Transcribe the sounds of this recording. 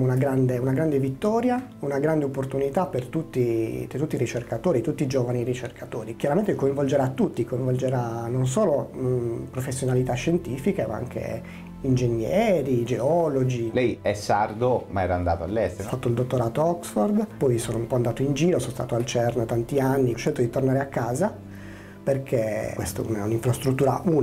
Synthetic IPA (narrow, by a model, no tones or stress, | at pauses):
unaɡɾand̪eunaɡɾand̪evit̪ːɔːɾjaunaɡɾand̪eopːort̪unit̪apert̪ut̪ːit̪ut̪ːiɾit͡ʃerkat̪oːɾit̪ut̪ːid͡ʒoːvanirit͡ʃerkʰat̪oːɾikjaɾament̪ekoiɱvold͡ʒeɾat̪ːut̪ːikoiɱvold͡ʒeɾanons̬oːlo | pɾofesːjonalit̪aʃːent̪iːfikema̰a̰ŋk̟ḛ | ind͡ʒenjɛɛːɾid͡ʒeɔlod͡ʒilɛjɛsːard̪omaɛːɾaːnd̪aːt̪oalːɛst̪efat̪ːoild̪ot̪ːoɾaːt̪oɔksford̪pɔjsoːnoumpɔand̪aːt̪oind͡ʒiːɾosonst̪a̰t̪oalt͡ʃɛrnt̪ant̪ianːiʃɛlt̪od̪it̪ornaːɾeakːaːza | perkʰekwḛst̪oɛ̰unɛuniɱfɾast̪ɾut̪ːuːɾa̰ʔuː